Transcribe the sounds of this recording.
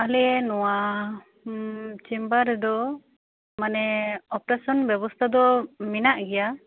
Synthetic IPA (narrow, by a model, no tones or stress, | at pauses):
alɛɛnɔwa | t͡ʃimbaɾɛd̪ɔ | manɛɔpɾasɔnbjɛbɔst̪ʰad̪ɔminaʔɡɛja